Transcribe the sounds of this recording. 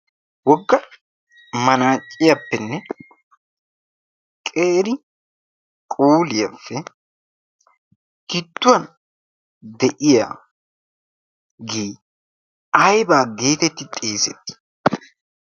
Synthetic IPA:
wɔɡːɐ | mɐnaːt͡ʃʼːɪjɐpːɛnːɛ | kʼeːɾɪ | kʼuːlɪjɐfːɛ | kɪt̪ːʊwɐn | d̪ɛʔɪja̰ː | ɡeː | ɐjbaːɡe̞ːt̪ɛt̪ːɪt̪ʼe̞ːsɛt̪ːɪ̥

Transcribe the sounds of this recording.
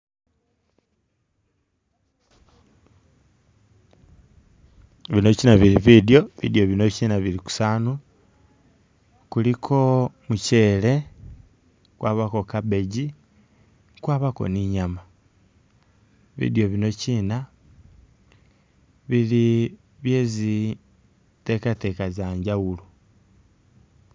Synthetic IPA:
βino̞cinaβiliβideo̞βḭdio̞βino̞ciːnaβiliku̥saːnu | kulikʰo̞muce̞le̞ | kwaːβako̞kaβe̞ɟi | kwaːβako̞̰niɲama | βḭdio̞βino̞ciːna | βili | βje̞zi | te̞kate̞ːkazaɲɟawulu

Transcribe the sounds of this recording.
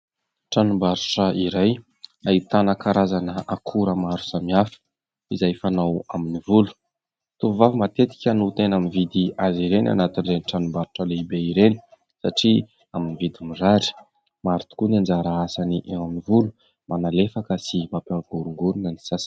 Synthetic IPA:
ʈ͡ʂanumbaɾuʈ͡ʂəiɾaj | ait̪anəkaɾazanəʔakʰuɾəmaɾu̥samiafə̥ | izajfanawaminivulu̥ | t̪uvuvavimat̪et̪i̥kʲənuut̪enaminvid̪iaziɾena̰nat̪inreniʈ͡ʂanubaɾuʈ͡ʂəleibeiɾeni̥ | saʈ͡ʂi | aminivid̪imiraɾi̥ | maɾt̪u̥kuniand͡ʒaɾaasaniʔewaminivulu̥ | manalefakəsimapaɡ̥uɾuŋɡuɾunənisas

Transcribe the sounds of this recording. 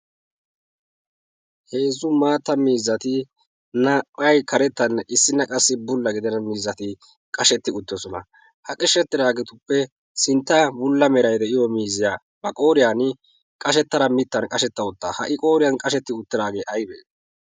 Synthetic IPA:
he̞ːzʊmaːt̪ːɐmiːzːɐt̪ɪ | nɐɐjkɐɾɛt̪ːɐnʔɪsːɪnɐkʼɐsːɪbʊlːɐɡɪd̪ɛnɐmiːzːɐt̪ɪ | kʼɐʃɛt̪ːɪʊt̪ːɔsɔnɐ̰ | hɐkʼɪʃːɛt̪ːɪdaːɡɛt̪ʊpːɛ | sɪnt̪ːɐbʊlːɐmɛɾɐjd̪ɛʔɪjɔmiːzɪjaː | bɐkʼo̞ːɾɪjan | kʼɐʃ̬ɛt̪ːɐɾɐmɪt̪ːɐnkʼɐʃɛt̪ːɐʊt̪ːaːhɐʔɪkʼo̞ːɾɪjɐnkʼɐʃɛt̪ːɪʊt̪ːɪdaːɡeːʔɐjbḛːs

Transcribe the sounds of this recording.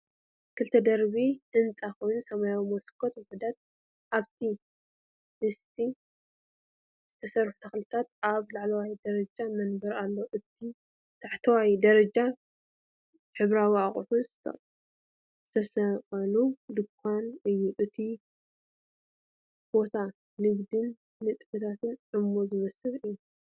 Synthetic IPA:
kʰɨlt̪ʰɐd̪ɐɾβiħɨnt͡sʼakʰo̞jnusɐmajawimoskʰːot̪wɔħud̪at̪̚ | ʔaβt̪ʰi | d̪ɨst̪ʰi | z̥ɨt̪ʰɐsɐrħu̥t̪ʰɐxlɨt̪ʰat̪aβlaʕlɐwajd̪ɐɾɐd͡ʒamɐnbɐɾalːoʔɨt̪i | t̪ʰaħt̪ʰɐwajd̪ɐɾɐd͡ʒa | ħɨβɾawiaχʼħuzɨt̪ʰɐ̰ | z̥ɨt̪ʰɐsɐqʼɐlud̪ɨkʷʰːanɨjːuʔɨt̪ʰi | b̥o̞t̪ʰa | nɨɡd̪ɨnː | ɨt̪ʼɨfɨt̪ʰat̪ʰɨnʕɨmozɨmɐsɨlɨjːu

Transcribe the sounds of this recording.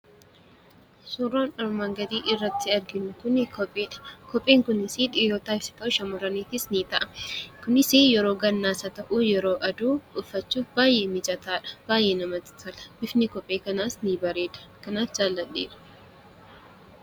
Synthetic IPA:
sʊroːnʔɔɾmaːŋɡɐd̪iːʔɪrːɐt̪ːɪɐɾɡɪnʊkʊnkɔpʼːeːᶑɐ̥kɔpʼːeːŋkʊnɪsiᶑɪjoːt̪aːɪsɪ̥k̪ɐʊʃɐmɔɾɐniːt̪ɪsniːt̪ɐʔɐ̥kʊnɪsijɛɾoːɡɐnːaːsɐt̪ɐʔuːjɛɾo̞ːʔɐd̪uːʔʊfːɐt͡ʃːuːfbaːjʔe̞ːmɪt͡ʃʼɐt̪aːᶑɐ̥b̥aːjʔe̞ːnɐmɐt̪ɪ̥t̪ɐlɐ̥bɪfnɪkɔpʼːe̞ːkɐnaːsnibɐɾe̞ːᶑ̪ɐ̥kɐnaːfd͡ʒaːlːɐɗːḛːᶑɐ̥

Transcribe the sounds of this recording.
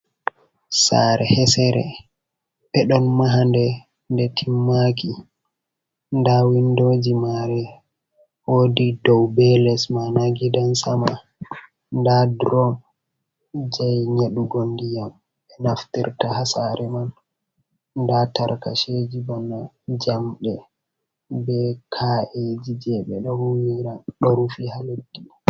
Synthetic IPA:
saːɾɛhɛsɛɾɛ̰ | ɓɛɗɔnmaɦandɛ | ndɛtʰimːaki | ndawindod͡ʒimaɾɛ | woːdidɔwbɛlɛsmanaɡidansama | ndadɾɔm | d͡ʒajɲeɗuɡondijam | ɛnaftḭɾtahasaɾʔɛman | ndataɾka̰ʃed͡ʒibɔna | d͡ʒamɗɛ | bɛkʰaʔed͡ʒid͡ʒɛɓɛɗɔhuwiɾaɗoɾufihalodːi

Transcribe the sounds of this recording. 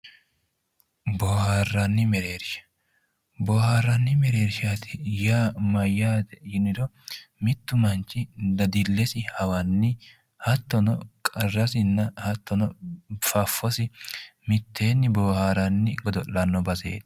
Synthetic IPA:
boːhaːrːɐnːɪmɛɾe̞ːɾʃɐ̥ | boːhaːrːɐnːɪmɛɾe̞ːɾʃat̪ʰɪjaːmɐjːaːd̪ɛjɪnɪd̪ɔ | mɪt̪ːʊmɐnt͡ʃːɪd̪ɐd̪ɪlːɛsɪhɐwɐnːɪ | hɐt̪ːɔnɔkʼɐrːɐsɪnːɐhɐt̪ːɔnɔfɐfːɔsɪmɪt̪ʰːe̞ːnːɪboːhaːɾɐnːɪɡɔd̪ɔʔːɐnːɔbɐzḛːd̪

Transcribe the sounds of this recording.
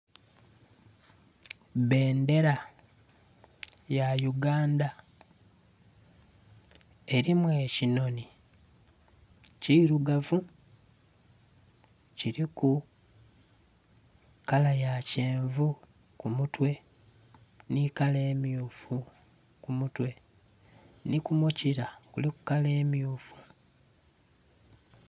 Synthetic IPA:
βe̞ːnde̞ɾa | jajuɡaːnda | eɾimwe̞ːcino̞ni | ciɾuɡavu | ciɾiku | kalajace̞ːɱvu | kumutwe̞ | nikale̞ːmjuːfu | kumutwe̞ | nikumuciɾakuliku̥kale̞ːmijuːfu̥

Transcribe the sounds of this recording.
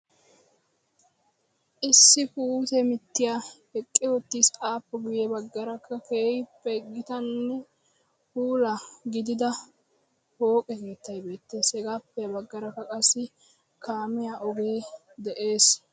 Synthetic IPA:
ʔɪsːɪpuːt̪ɛmɪt̪ːɪjaːhɛkʼːɪwɔt̪ːiːsaːpːɛɡʊjɛbɐɡːɐɾɐkːɐkeːjpːɛɡɪt̪ɐnːɛ | huːlɐɡɪd̪ɪd̪ɐ | ho̞ːkʼɛke̞ːt̪ːɐjbe̞ːt̪ːeːsɛɡaːpːɛjɐbɐɡːɐɾɐkːɐkʼɐsːɪ | kaːmɪjaʔɔɡe̞ː | d̪ɛʔe̞ːs

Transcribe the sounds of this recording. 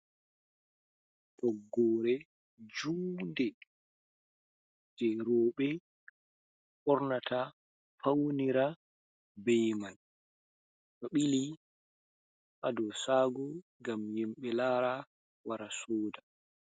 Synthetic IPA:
tɔɡːɔːɾɛ | d͡ʒuːndɛ | d͡ʒɛɾɔːɓɛ | ʔɔɾnatʰa | fawniɾa | bɛjman | tɔɓili | ʔadɔsaːɡɔŋɡamjɛmɓɛlaɾa | waɾasɔːda

